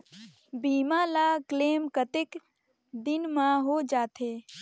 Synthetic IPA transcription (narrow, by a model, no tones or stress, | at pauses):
biːmãːlaːkleːmkət̪ɪk | d̪ɪnmãɦod͡ʒaːt̪ʰeː